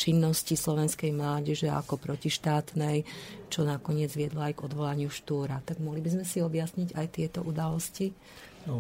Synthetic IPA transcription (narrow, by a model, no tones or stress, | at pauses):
t͡ʃinːɔscislɔʋɛnskɛjmlaːɟɛʒɛa̰kɔpɾɔciʃt̪aːt̪nɛjt͡ʃɔnakɔɲɪɛd͡zʋɪɛd̪lɔajɡɔd̪ʋɔlaɲɪuʃt̪uːɾat̪aɡmɔɦlibizmɛsiɔbjasɲiɟajt̪ɪɛt̪ɔʔud̪alɔsci